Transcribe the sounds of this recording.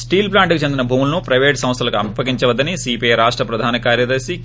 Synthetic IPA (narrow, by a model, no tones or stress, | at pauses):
sʈiːlplaːɳʈkit͡ʃend̪inɐbʱuːmulɐnupɾɐjʋeːʈsɐ̃mst̪ʰɐlɐkuɐmpɐkiɲt͡ʃɐʋɐd̪ːɐnisiːpeɾaːʂʈɾɐpɾɐd̪ʱaːnɐkaːɾjɐd̪ɐɾsi